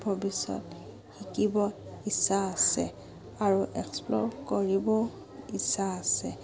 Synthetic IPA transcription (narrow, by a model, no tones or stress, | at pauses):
bʱɔbisɔ̰t | xikibɔisaːsɛ | aɹuʔɛksplɔɹkoɹibɔ | isaːsɛ